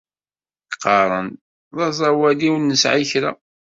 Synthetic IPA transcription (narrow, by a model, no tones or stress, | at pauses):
kqɑɾˤə̰n | ðˤɑzˤɑwæliwnːəsʕiçɾa̰